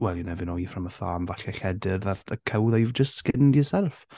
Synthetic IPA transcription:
wɛlˠinɛvɪnɔifrəməθa̰ːmvaɬɛɬɛdɪrðatʰəkʰəwðajuvd͡ʒəstskɪndisɛlˠf

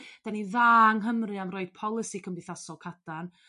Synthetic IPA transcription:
d̥aniðaːŋɦəmrɨamrɔɨd̥̚pʰɔlˠɪsikʰəmbɨθasɔlˠkʰadan

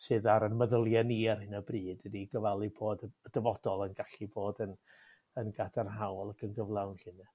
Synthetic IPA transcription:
sɨːðaɾənməðʊlˠjaniar̥hɪnəbriːdədiɡəvalˠibʰoːdəəd̥əvɔd̥ɔlˠənɡaɬiboːdən | ənɡadarɦawlˠakʰənɡəvlˠawnɬɨna

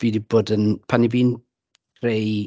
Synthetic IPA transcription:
v̥iːdib̥oːdənpʰaniviːn | kʰrej

